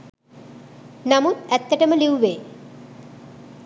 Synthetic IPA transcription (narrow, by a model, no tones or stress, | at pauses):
namut̪æt̪ːəʈəməliuʋeː